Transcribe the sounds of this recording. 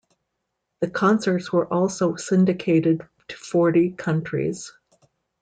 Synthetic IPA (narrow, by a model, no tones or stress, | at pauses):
ðɨkʰɑ̃nsə˞tswə˞ʔɔlˠsoʊsɪ̃ndɨkʰeɪɾɨd | tʰɨ̥fɔɹɾikʰʌ̃nt͡ʃɹ̥ḭz̥